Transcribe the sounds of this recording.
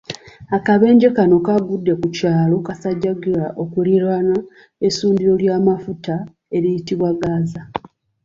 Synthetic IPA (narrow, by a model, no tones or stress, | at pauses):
akaβe̞ːɲɟe̞kano̞kaɡudːe̞kucaːlo̞kasaɟːaɡiɾaʔo̞kuliɾana | esuːndiɾo̞ljaːmafuta | e̞ɾijitiβwaɡaːza